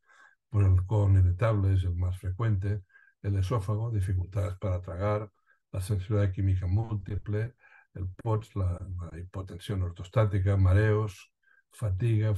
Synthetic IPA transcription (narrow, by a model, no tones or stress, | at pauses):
pwoselkoneβet̪aβlees̬elmasfɾekwent̪̬eː | lesofaɣ̞oðifikult̪aðespaɾat̪ɾaɣaɾ | lasẽnsiβiðakimikamult̪iple | elpotslalaipot̪ensjonoɾt̪ost̪at̪ikamaɾeos | fat̪iɣa